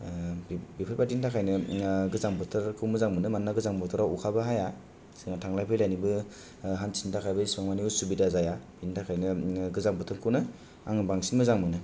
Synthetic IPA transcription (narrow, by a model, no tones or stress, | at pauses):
bipʰɯtpadintʰakʰajnɯɡɯzaŋbɯtʰɯɾkʰɯmɯzaŋmɯnɯmanːaɡɯzaŋbɔtʰɯɾawukʰabɯɦaja | sɯŋatʰaŋlajpʰɯjlajnibɯ | ɦansintʰakʰajbɯismaŋmaniusubidazajab̥intʰakʰajnɯɡɯzaŋbɯtʰɯɾkʰɯwnɯ | a̰ŋbaŋsinmɯzaŋmɯnɯ